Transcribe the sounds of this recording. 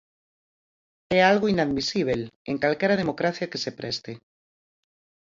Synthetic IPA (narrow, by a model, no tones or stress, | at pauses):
ɛalɣoinaðmisiβ̞eleŋkalkɛɾað̞emokɾaθjakesepɾʔɛst̪e